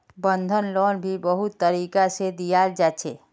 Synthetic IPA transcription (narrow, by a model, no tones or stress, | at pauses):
bənd̪ʱənlɔːnbʱibəɦut̪ːəɾiːkased̪ijald͡ʒat͡ʃʰḛ